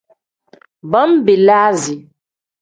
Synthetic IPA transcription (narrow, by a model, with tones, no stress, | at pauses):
ba˦m˦be˨laː˦zi˨